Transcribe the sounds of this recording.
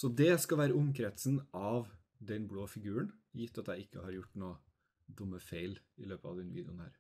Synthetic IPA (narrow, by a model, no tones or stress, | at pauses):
sɔd̪ɛskɑʋæːɾəʊmkʰɾɛt̪sn̩ɑʋ | d̪ɛnbɽoːfɪɡʉːəɳjɪt̪ːɑt̪æɪɪkːəhɑɾjʊʈːnoː | d̪ʊmːəfeɪlɪløːpəɑ̰ʋd̪ɛnʋiːd̪jʊnhæ̰ːɾ